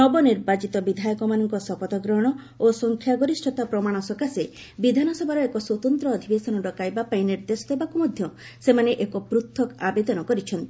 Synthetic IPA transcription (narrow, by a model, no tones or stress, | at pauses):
nɔbɔniɾbat͡ʃit̪ɔbid̪ʱajɔkɔmanɔŋkɔsɔpɔt̪ɔɡɾɔɽ̃ɔ | osɔŋkʰjaɡɔɾisʈʰɔt̪apɾɔmaɽ̃ɔsɔkase | bid̪ʱanɔsɔbʱaɾɔekɔswɔt̪ɔnt̪ɾɔːd̪ʱibesɔnɔɖɔkajbapaĩniɾd̪esɔd̪ebakumɔd̪ʱjɔ | semaneʔekɔpɾut̪ʰːɔkabed̪ɔnɔkɔɾit͡ʃʰɔnt̪i